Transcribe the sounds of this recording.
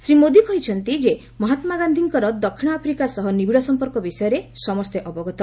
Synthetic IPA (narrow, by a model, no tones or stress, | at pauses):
sɾimod̪ikɔɦit͡ʃʰɔnt̪id͡ʒe | mɔɦat̪maɡand̪ʱiŋkɔɾɔd̪ɔkʰːiɽ̃ɔapʰɾikasɔɦɔnibiɽɔsɔmpɔɾkɔbisɔjɔɾesɔmɔst̪eʔɔbɔɡɔt̪ɔ